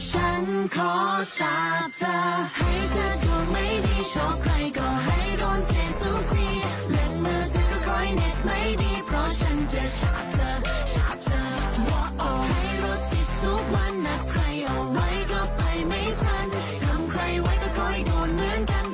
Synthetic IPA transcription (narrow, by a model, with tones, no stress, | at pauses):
t͡ɕʰa˦˥nkʰɔː˨˧˦saː˨˦p̚t̪ʰa˧˩ha˥˩jt̪ʰaː˧˩kɔː˧˩ma˥˩jdiː˧˩t͡ɕʰɔː˧˩p̚kʰɾa˧jkɔː˧˩ɦa˥˩jɾoː˧˩ntʰe˧˩tu˧˥tiː˧˥˩ | lɯ˧ŋmɯː˧˥t̪ʰaː˧˩kɔ˧˩kʰɔ˧˥˩jne˧˩t̚ma˥˩jdiː˧pʰɾɔ˦˥t͡ɕʰa˦˥nt͡ɕa˧t͡ɕʰa˦˥p̚t̪ʰaː˧ | t͡ɕʰa˨˦˥p̚t̪ʰaː˧ | wɔ˨˧˦k̚ʔɔ˨˧˩ha˥˩jɾo˦˥t̪̚pi˨˧˩t̪̚t̪ʰu˦˥k̚wa˧˥nːa˨˧kʰɾa˧jʔɔ˧wa˧˥jkɔ˧˩pa˨˧jma˥˩jt̪ʰa˥˩n | t̪ʰa˧˥mkʰɾa˧jwa˧˦˥jkɔː˧˩kʰɔ˧˩jdoː˨˧nmɯ˧˥ənka˧n